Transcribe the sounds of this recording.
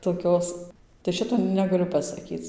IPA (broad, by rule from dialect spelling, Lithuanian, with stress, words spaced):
toːˈkʲoːs tɐɪ ˈʃʲɪtoː nʲɛɡɐˈlʲʊ pɐsɐˈkʲiːt͡s